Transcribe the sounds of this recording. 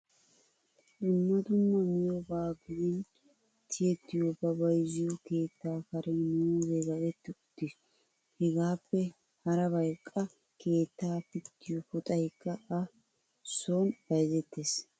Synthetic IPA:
ʔʊmːɐd̪ʊmːɐmɪjɔbaːɡɪwɪn | t̪ʰɪjɛt̪ːɪjɔbɐbɐjzɪjɔke̞ːt̪ːaːkɐɾʔɛnuːzeɡɐɡɛt̪ːɪʊt̪ːɪs | hɛɡaːpːɛ | hɐɾɐbɐjkʼːɐ | kʰe̞ːt̪ːaːpɪt̪ːɪjɔfɔt̪ʼɐjkːɐɐ | soːnbɐjzɛt̪ːeːs

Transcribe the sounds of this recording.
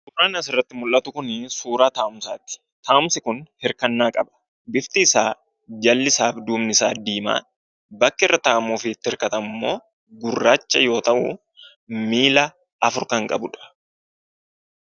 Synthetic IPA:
sʊɾaːnɐsɪrːɐt̪ːɪmʊlːɐt̪ʊkʊnsuːɾaːt̪aːʔʊmsa̰ːt̪ɪ̥ | t̪aːʔʊmsɪkʊnhɪɾkɐnːaːkʼɐbɐ̥ | bɪft̪ɪːsaː | d͡ʒɐlːɪsaːfd̪uːmnɪsaːd̪iːma̰ː | bɐkːɪɛrːɐt̪aːmuːfɪːt̪ːɪhɪɾkɐt̪ɐmʊmːo̞ː | ɡʊrːaːt͡ʃːɐjo̞ːt̪ɐʔʊ̰ | miːlɐ | ɐfʊɾkɐŋkʼɐ̰bʊᶑɐ̥

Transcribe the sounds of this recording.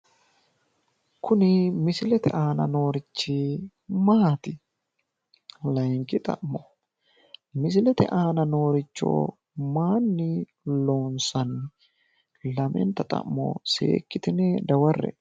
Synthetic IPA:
kʊnɪmɪsɪlɛt̪ɛ̰ʔaːnɐno̞ːɾɪt͡ʃːɪ | maːt̪ɪ | lɐjŋkːɪt̪ʼɐ̰ʔmɔ | mɪsɪlɛt̪ɛ̰ʔaːnɐno̞ːɾɪt͡ʃːo̰ | maːnːɪ | lo̞ːnsɐnːɪ | lɐmɛ̰nt̪ːɐt̪ʼɐ̰ʔmːo̰sḛːkːɪt̪ɪnɛd̪ɐwɐrːɛ̰

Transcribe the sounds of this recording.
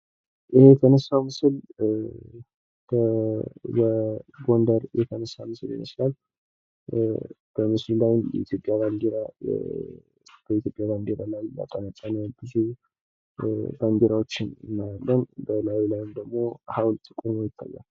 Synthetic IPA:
ʔɨhejɛt̪ʰənəsːamɨsɨl | kʰə | bəɡo̞nd̪əɾjɛt̪ʰənəsːamɨsɨlɪ̰məslal | b̥əmɨslulajn̰ʔḭt̪ʰjo̞pʼjaβand̪eɾa | b̥əit̪jo̞pʼjaband̪eɾalaja̰t̪ʼənat͡sʼːanialb̥ɨze | b̥and̪eɾawo̞t͡ʃːɪnɨmːalalːənbəlajlajnd̪əɡmo̞hawlt̪ʼɨkʼunəjɪt̪ʰːa̰jːa̰l

